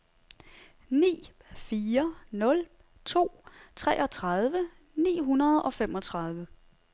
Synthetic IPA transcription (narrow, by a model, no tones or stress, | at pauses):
nḭː | fiːɐnɔ̽l | t͡sʰo̝̰ːt͡sʰʁɛ̰ːʔɒ̽t͡sʰʁað̞ˠʋə | nḭːɦunɐð̞ˠɒ̽fem̰ɒ̽t͡sʰʁɑ̈ð̞ˠʋə